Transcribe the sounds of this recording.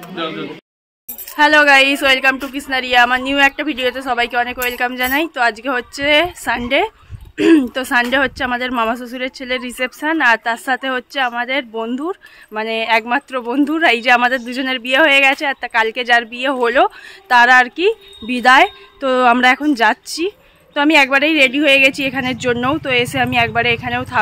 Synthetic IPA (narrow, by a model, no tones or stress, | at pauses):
hɛloɡajsoelkamʈukisnaɾiaamaɾniuwɛk̚ʈabʱiɖiot̪eʃɔbajkeɔnekojelkamd͡ʑanajt̪oad͡ʑkeɦotːɕʰesaɳɖe | t̪osaɳɖeɦotːɕʰeamad̪eɾmamas̬osuɾeɾt͡ɕʰeleɾːisepʃanaɾt̪aɾʃat̪ʰeɦotːɕʰeamad̪eɾbond̪ʱuɾmaneɛkmat̪ːɾobond̪ʱuɾajd͡ʑeamad̪eɾd̪ud͡ʑoneɾbieɦojeɡɛt͡ɕʰeat̪akalked͡ʑaɾbieɦolot̪aɾaɾki | bid̪ae | t̪oamɾaɛkʰond͡ʑatːɕʰi | t̪oamiɛk̚baɾejɾeɖiɦojeɡɛt͡ɕʰiekʰaneɾd͡ʑonːowt̪oeʃeamiɛk̚baɾeekʰanewt̪ʰa